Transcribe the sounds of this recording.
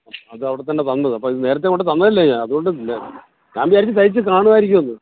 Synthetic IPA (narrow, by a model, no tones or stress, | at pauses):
ɐoɐðɨɐʋiɽet̪ːɐnːet̪ɐnːɐðɨɐpːoːiðɨne̞ːɾɐt̪ːekoɳɖɨt̪̬ɐnːɐilːɐɲaɐðuɣo̞ɳɖɨilːɐ | kaːmbijaːɾikʲːɨt̪ɐjit͡ɕːɨkaːɳuʋaːjiɾikʲːumɐnːɨ